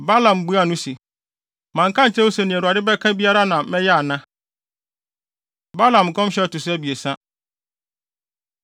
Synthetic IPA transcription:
ba˦lã˨m˨bu˦a˦˨nʊ̃˦si˨ | mã˨ŋ˨kʰã˦n̩˨t͡ɕʰɛ̃˦wo˦sɛ˨nɪ̃˨æ˨ɾu˨a˨dɪ˦bɛ˦kʰã˦bi˦a˦ɾa˦nã˨mɛ̃˦jɛ˦a˨nã˦ | ba˦lã˨m˨kʰɔ̃˦m˦ɕɛ˦˨tʊ˨s̬æ˦bi˨e˨sã˦

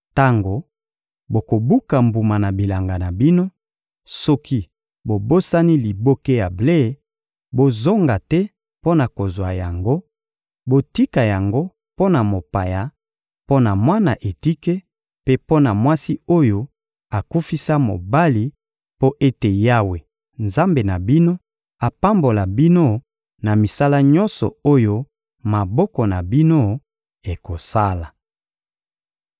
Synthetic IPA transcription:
ta˦ŋɡo˨ | bo˨ko˨bu˦ka˨mbu˨ma˨na˨bi˨la˨ŋɡa˨na˨bi˦no˦ | sɔ˦kʰi˦ | bo˨bo˦sa˦ni˦li˨bo˦ke˦ja˨ble˦˨˦ | bo˦zo˦ŋɡa˨tɛ˦ | po˦na˨ko˨zwa˨ja˨ŋɡo˦ | bo˦ti˦ka˨ja˨ŋɡo˦ | po˦na˨mo˨pa˨ja˨ | po˦na˨mwa˦na˨ʔe˨ti˦ke˦ | pe˦po˦na˨mwa˦si˦o˦jo˦ | a˨ku˦fi˦sa˦mo̰˨ba˦li˨˦ | po˦ʔe˦te˨ja˦we˨ | nza˦mbe˨na˨bi˦no˦ | a˨pa˦mbo˨la˨bi˦no˦ | na˨mi˨sa˦la˦ɲɔ˦nsɔ̰˨o˦jo˦ | ma˨bɔ˦kɔ˨na˨bi˦no˦ | e˨ko˨sa˦la˨

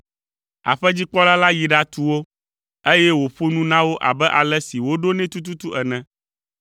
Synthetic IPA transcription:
a̰˨ɸɛ˦d͡ʑi˦k͡pɔ˦la˦la˦ji˨ɖa˦t̪u˦wo˦ | e˦jɛ˦wo˨ɸo˦nũ˦nã˦wo˦ʔa̰˨bɛ˦ʔa˨lɛ˦si˨wo˦ɖo˦nɛ̃˦t̪u˦t̪̬u˦t̪u˦ʔɛ˨nɛ̃˨

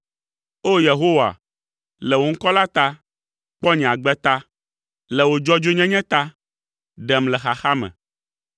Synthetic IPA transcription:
o˦je˨ɦo˦wa̰˨ | lɛ˨wo˨ŋ̩˦kɔ˦la˦t̪a˦ | k͡pɔ˦ɲɛ̃˨a˨ɡ͡bɛ˦t̪a˦ | lɛ˨wo˨d͡ʒɔ˦d͡ʒo˦ɲɛ̃˦ɲɛ̃˦t̪a˦ | ɖɛ˨mlɛ˨xa˨xa˦mɛ̰̃˨

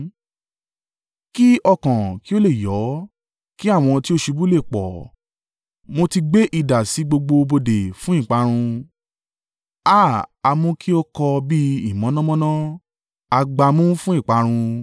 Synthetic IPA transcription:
ki˦ʔɔ˧kã˨ki˦o˦le˦˨jɔ˨˦ | ki˦a˦˨w̃ɔ̃˧ti˦o˦ʃe˧bu˦le˦˨k͡pɔ̰˨ | mo˧ti˧ɡ͡be˦ʔi˦˨da˨si˨˦ɡ͡bo˧ɡ͡bo˧bo˧de˨fũ˦ĩ˦˨k͡pa˧ɾ̃ũ˧ | a˦˨a˧mũ˦ki˦o˦kɔ˧bi˦i˦˨mɔ̃˨˦nɔ̃˦mɔ̃˦nɔ̃˦ | a˧ɡ͡ba˧mũ˦fũ˦ĩ˦˨k͡pa˧ɾ̃ũ˧

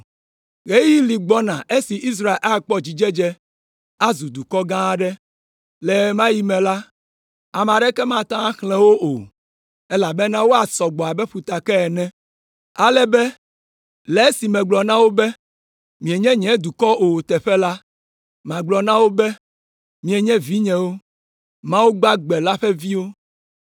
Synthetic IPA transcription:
ɣe˦ji˦li˨ɡ͡bɔ˦nã˨ʔe˦si˨ʔi˦s̬ɾa˦˨e˨lʔa˦˨k͡pɔ˦d͡ʑi˨d͡ʒɛ˦d͡ʒɛ˦ | a˦zu˨d̪u˨kɔ˦ɡã˦ɖɛ˦ | lɛ˨mã˦ji˦mɛ̃˨la˦ | a˨mɛ˨a˨ɖɛ˦kɛ˦mã˦t̪ã˦xlɛ̃˦wo˦ʔo˨ | e˦la˨bɛ˦nã˦wo˦a˨sɔ˨ɡ͡bɔ˨a˨bɛ˦ɸu˨t̪a˨kɛ˦ɛ˨nɛ̃˦ | a˨lɛ˦bɛ˦ | lɛ˨˦si˨mɛ̃˨ɡ͡blɔ˨nã˦wo˦bɛ˦ | mĩ˨ɛ˨ɲɛ̃˦ɲɛ̃˨˦d̪u˨kɔ˦ʔo˨t̪ɛ˨ɸɛ˦la˦ | mã˨ɡ͡blɔ˨nã˦wo˦bɛ˦ | mĩ˨ɛ˨ɲɛ̃˦vi˦ɲɛ̃˨wo˦ | mã˦wu˦ɡ͡ba˦ɡ͡bɛ˨la˦ɸɛ˦vi˦wo˦

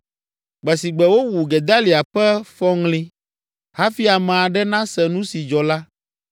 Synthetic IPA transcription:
ɡ͡bɛ˨si˨ɡ͡bɛ˨wo˦wu˨ɡɛ˨d̪a˦li˨a˨ɸɛ˦fɔ˦ŋlĩ˦ | ha˦fi˦a˨mɛ̃˨a˨ɖɛ˦nã˦sɛ˨nũ˦si˨d͡ʒɔ˨la˦

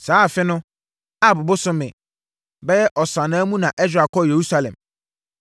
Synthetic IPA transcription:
saː˨˦˨fɪ˦nʊ̃˦ | a˦˨bʊ˨bʊ˦sʊ˦mɪ̰̃˨ | bɛ˦jɛ˦ʔɔ˨sã˨nã˦mũ˦nã˨ʔɛ˦sa˨kʰɔ˦je˨ɾu˦sa˦lɛ̰̃˨m

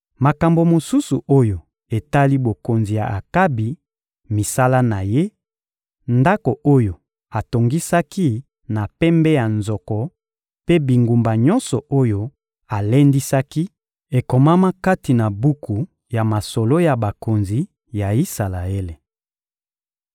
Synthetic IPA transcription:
ma˨ka˨mbo˨mo˨su˦su˨ʔo˦jo˨ | e˨ta˦li˦bo˨ko˨nzi˨ja˨ʔa˨ka˦bi˨ | mi˨sa˦la˦na˨je˦ | nda˦ko˨ʔo˦jo˨ | a˨to˨ŋɡi˦sa˦ki˦ | na˨pɛ˦mbɛ˦ja˨nzɔ˨kɔ˨ | pe˦bi˨ŋɡu˨mba˨ɲɔ˦nsɔ˨o˦jo˦ | a˨le˦ndi˦sa˦ki˦ | e˨ko˨ma˦ma˦ka˦ti˨na˨bu˦ku˨ | ja˨ma˨sɔ˨lo˦ja˨ba˨ko˨nzi˨ | ja˨i˦sa˨la˨e˦le˨

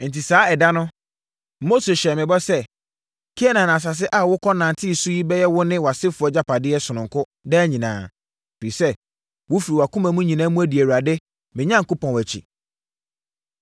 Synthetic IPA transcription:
n̩˨ti˨saː˨˦ɛ˨da˦nʊ̃˦ | mo˦se˨ɕɛ˨mɪ̃˨bɔ˦sɛ˦ | kʰi˦ɛ˦nã˨n˨a˨s̬a˨s̬ɪ˦ʔa˦wʊ˦kʰɔ˦nã˨n˨tʰɪ˦˨su˦ji˦bɛ˦jɛ˦wʊ˦nɪ̃˦wa˨sɪ˦fʊ˨˦ɔ˦d͡ʑa˦pʰa˨dɪ˦ɛ˦sʊ˨nʊ̃˨ŋ˨kʰʊ˦ | dɛ˦ɲĩ˨nãː˨ | fɾi˨sɛ˦ | wʊ˦fi˨ɾi˨wa˨kʰʊ̃˦mã˨mũ˦ɲĩ˨nãː˨˦mũ˦æ˦di˨æ˨wa˨dɛ˦ | mɪ̃˨ɲã˦ŋ̩˨kʊ˦pɔ̃˨nwæ˨t͡ɕʰḭ˨

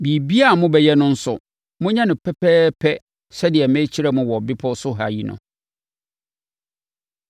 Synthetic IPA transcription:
bi˨bi˦a˦˨mʊ̃˦bɛ˨jɛ˦nʊ̃˦n̩˦sʊ̰˨ | mʊ̃˦ɲã˦nɪ̃˨pʰɛ˦pʰɛː˦pʰɛ˦ | sɛ˦dɪ˨ɛ˨mɛ̃˦t͡ɕʰi˦ɾɛ˦mʊ̃˦wɔ˨bɪ˦pʰɔ˦sʊ˦ɦa̰˨ji˦nʊ̰̃˨

